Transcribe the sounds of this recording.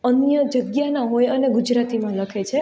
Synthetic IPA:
ənjəd͡ʒəɡjanãɦojəneɡud͡ʒɾat̪imãləkʰet͡ʃʰe

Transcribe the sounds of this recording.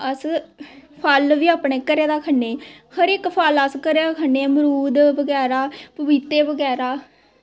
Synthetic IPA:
əs | pʰalʋiːaːpɳeːkəɾeːd̪aːkʰənːeːhəɾɪkpʰaləskəɾeːd̪aːkʰəneːməɾuːd̪bəɡɛːɾaːpəbiːt̪eːbəɡɛːɾaː

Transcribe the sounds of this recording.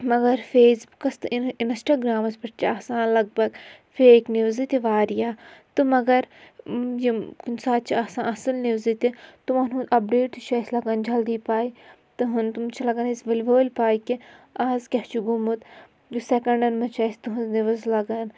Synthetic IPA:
mɐɡɐɾfeːsbukɐst̪ɨinsʈaːɡɾaːmɐspɐʈt͡ʃʰiaːsãːnlɐɡ̚bɐɡfeːkniʋzit̪iʋaːɾijaːt̪ɨmɐɡɐɾ | jikunsaːt̪̚t͡ʃʰiaːsãːʔɐsɨlniʋzit̪it̪umɐnũɐp̚ɖeːʈt̪ut͡ʃʰɐsʲlɐɡɐnd͡ʒɐld̪iːpaːi | t̪ɨɦɐnt̪umt͡ʃʰilɐɡɐnisʋɐlʋoːlʲpaːikiaːzkʲɐht͡ʃʰuɡumut̪ | d͡ʒusɛkɐɳɖɐnmɐt͡ʃʰɐːst̪uɦuzniʋɐzlɐɡɐn

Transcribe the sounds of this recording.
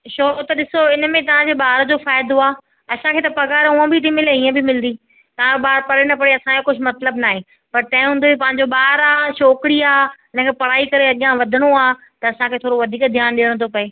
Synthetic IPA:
ʃoːɾot̪ɐɗɪsoɪnə̆mẽt̪ɐʋ̤ãd͡ʑeɓaːɾd͡ʑoːfaːɪd̪oaː | ɐsãkʰeːt̪ɐpɐɡaːɾũə̃bɪt̪imɪleiːə̃bɪmɪlnd̪iː | t̪ɐʋ̤ãɓaːɾpɐɾɪnɐpɐɽeɐsãkekʊd͡ʑʱmɐt̪ləbnaːɦe | pɐɾt̪ɐ̃ɦɪ̃ɦũːnd̪oipɐ̃ɦɪ̃ɲ̆d͡ʑoɓaːɾaːʃoːkɪɽiaːɪnə̃kʰepɐɽ̤aːikɐɾeɐɠɪjãʋɐd̪ʱɪɽ̃oaː | t̪ɐɐsãkʰeːt̪ʰoːɾoʋɐd̪ʱiːkd̪ʱjaːnɗɪjəɽ̃t̪ʰopɐeː

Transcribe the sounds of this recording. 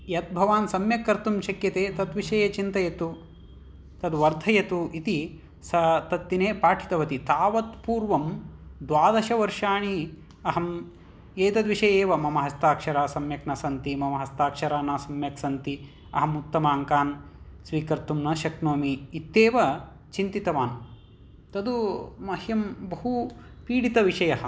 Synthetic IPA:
jɐt̪̚bʱɐʋaːnsɐmjɐkːɐɾt̪umʃɐkjɐt̪eːt̪ɐt̪ʋiʃɐjeːt͡ʃint̪ɐjɐt̪u | t̪ɐd̪ʋɐɾd̪ʱɐjɐt̪uit̪i | sɐt̪ɐt̪ːineːpaːʈʰi̥t̪ɐʋɐt̪it̪aːʋɐt̪puːɾʋɐmd̪ʋaːd̪ɐʃɐʋɐɾʃaːɳ̃i | ɐɦɐm | eːt̪ɐd̪ʋiʃɐjeːʋɐmɐmɐɦɐst̪aːkʂɐɾaːsɐmjɐknɐsɐnt̪imɐmɐɦɐst̪aːkʂɐɾaːnaːsɐmjɐksɐnt̪i | ɐɦɐmut̪ːɐmaːŋkaːnsʋiːkɐɾt̪umnɐʃɐknoːmiːt̪ːeːʋɐ | t͡ʃint̪it̪ɐʋaːn | t̪ɐd̪umɐhjɐmbɐɦupiːɽit̪ɐʋiʂɐjɐɦɐ̆

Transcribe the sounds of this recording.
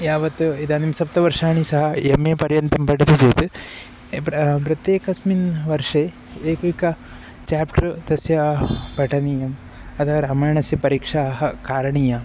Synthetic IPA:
jaːʋɐt̪ːuid̪aːnimsɐp̚t̪ɐʋɐɾʂaːɳisɐɦɐ̆emːeːpɐɾjɐnt̪ɐmpɐɖɐd̪id͡ʒeːt̪u | pɾɐt̪jeːkɐsminʋɐɾʂeː | eːkʋikɐ | t͡ʃaːpʈɾt̪ɐsjɐbʱɐʈɐniːjɐm | ɐt̪ɐɐɾaːmaːjɳɐsjɐpɐɾiːkʂaːɦɐkaːɾɐɳiːja

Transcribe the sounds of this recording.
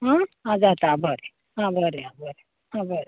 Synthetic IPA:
ɦãɦãd͡zat̪abʱəɾe | ɦãbʱəɾeɦãbʱəɾe | ɦãbʱəɾe

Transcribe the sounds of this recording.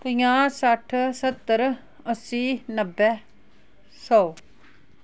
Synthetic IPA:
pəjãːsəʈʰsət̪ːəɾ | əsiːnəbːɛ | sɔː

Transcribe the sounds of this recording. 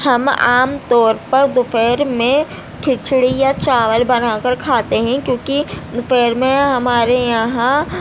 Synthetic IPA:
hɐma̰ːmt̪ɔːɾpɐɾd̪ʊfɛːɾmẽ | kʰɪt͡ʃɽijat͡ʃaːʋəlbɐnaːkəɾkʰaːt̪eɦɛ̃kjõːkid̪ʊfɛːɾmẽɦɐmaːɾejɐɦã

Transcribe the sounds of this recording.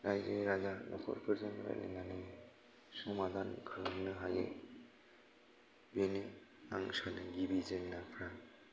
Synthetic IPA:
ɾajzeɾazanɔ̰kʰɔ̰ɾpʰɯɾzanɾa̰lḛnanɯ | sɔmadankʰɯlnɯɦajḛ | beniaŋsanɯɡibizeŋnapʰɾa

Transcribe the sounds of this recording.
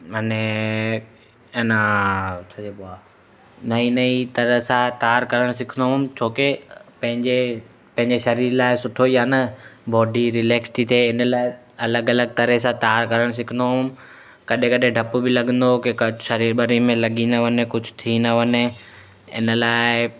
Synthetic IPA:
mane | enãtʰɐeɓoaː | nɐinɐit̪ɐɾəɦsãt̪aːɾkɐɾəɽ̃sɪkʰə̃nd̪oɦmt͡ɕʰoːkepɐ̃ɦɪ̃ɲd͡ʑe | pɐ̃ɦɪ̃ɲd͡ʑeʃɐɾiːɾlaːɪsʊʈʰoijaːnɐbɔːɖiɾɪleːksʈ̪ʰit̪ʰeːɪnəlaːɪ | ɐləɡɐləɡ̚t̪ɐɾəs̬ãt̪aːɾkɐɾəɽ̃s̬ɪkʰə̃nd̪oɦʊm | kɐɗẽkɐɗẽɖʱɐpubɪlɐɠə̃nd̪okɪkʃɐɾiːɾɓɐɾimẽlɐɠĩnd̪əʋɐnekʊd͡ʑʱʊt̪ʰinɐʋɐne | ɪ̰nə̆laːɪ

